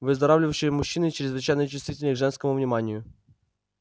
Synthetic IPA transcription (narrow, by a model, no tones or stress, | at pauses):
vɪzd̪ɐɾawlʲiwɕɛmuɕːinɨt͡ʃɛɾzvɪt͡ʃajnɔjt͡ʃɪst̪vʲit̪ʲelʲnʲɛɡʐɛnskɛmuvɲʲimanʲju